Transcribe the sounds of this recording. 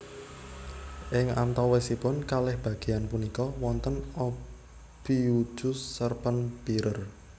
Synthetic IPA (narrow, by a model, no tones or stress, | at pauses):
ʔɪŋa̰nt̪ɔwesipʊnkalɛhb̥ä̤ɡ̥e̤janpunikɔwɔnt̪ənɔ | b̥iu̥ʒ̥ʊsːərpənb̥iɾər